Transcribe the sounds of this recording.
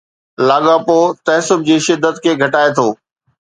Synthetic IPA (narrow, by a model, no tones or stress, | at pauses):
laːɡaːpoːt̪ɐɦsʊb̚d͡ʑiːʃɪd̪ːət̪kʰeːɡʱɐʈaːet̪ʰoː